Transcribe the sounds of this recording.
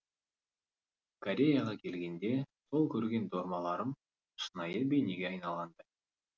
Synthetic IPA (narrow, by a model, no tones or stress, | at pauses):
kʰoɾʲe̞jaʁɑkʲʰe̞lɡʲe̞nd̪e̞sʰo̞lˠkʲʰɵɾɡʲe̞nd̪oɾmɑlˠɑɾəm | ʃənɑjəbe̞jneɡʲeɑjnɑlˠʁɑnd̪ə